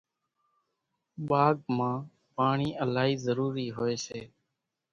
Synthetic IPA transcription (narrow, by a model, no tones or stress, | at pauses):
ɓaːɡmãː | paːɳiːʔəlaːɦiːzəɾuːɾiːɦoːeːseː